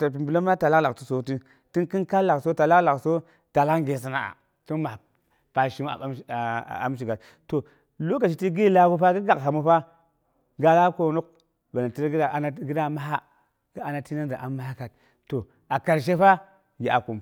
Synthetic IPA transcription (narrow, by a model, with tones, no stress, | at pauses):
ta˨p̬i˨bu˨lo˦ma˦ta˨la˦kla˨ti̥˦so˨ti˦ | ti˦nki˦nka˦la˨kso˦ta˨la˦kla˨kso˦ | ta˨la˦kŋɡe˨s̬a˨na˦a̰˨ | ti˦nma˨ | pa˨ʃi˦m̰˦˨˦a̰˦m˦ʃ̬i˨ɡa˨t | to˨ | lo˦ka˨ʃi˨ti˦ɡi˦la˦ɡu˦pa˦ɡi˦ɡa˨kɦa˨mu˦ɸa˦ | ɡa˦la˦ko˨nu˦k | ba˨na˨ti˦ɾɡi˦da˨a˨na˦ɡi˦da˦˨ma˦ɦa˦ | ɡ̥i˦a˨na˨ti˦na˦n˦da˨ʔa˨mːa˦ha˦ka˨t̚ | to˨ | a˨ka˨ɾʃ̬e˦fa˦ | ɡi˨ʔa˨ku˨m